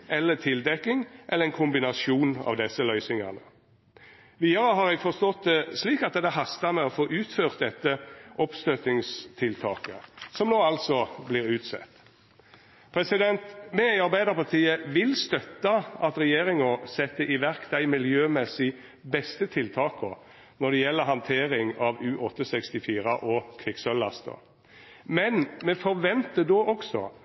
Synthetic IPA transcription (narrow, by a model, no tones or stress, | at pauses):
ʔɛlːət̪ʰɪld̪ɛkːɪŋʔɛlːəɛnkʰʊmbɪnɑsjuːnɑ̰ːʋd̪ɛsːəlœʏsɪŋɑ̰nə̰ | ʋiːɑɾəɦɑɾɛɡfɔʁst̪ɔt̪̚d̪ɛsliːkɑt̪̚d̪ɛd̪ɛɦɑst̪ɑmɛɔfoːʔʉːt̪føːʁt̪̚d̪ɛt̪ːəʔɔpst̪øt̪ɪŋst̪ʰɪlt̪ʰɑːkəsɔmnoːɑlt̪sɔbliːʁʉːt̪sɛ̰t̪ː | pʰɾɛsɪd̪ɛnt̪mɛɑɾbæɪd̪əʁpɑʁt̪iːəʋɪlst̪œt̪ːɑʔɑt̪ʁɛjeːɾɪŋɔsɛt̪ːəʔɪʋæʁkd̪æɪmɪljøːmɛsɪ | bɛst̪ət̪ʰɪlt̪ʰɑːkɔ | nɔd̪ɛjɛlːəɦɑnt̪ʰeːɾɪŋɑʋʉːʔɔt̪ːəsɛkst̪ɪfiːɾəʔɔkʰʋɪksœlːɑst̪ɔ̰ | mɛnmɛfɔʁʋɛnt̪əd̪oːʔɔksɔ̰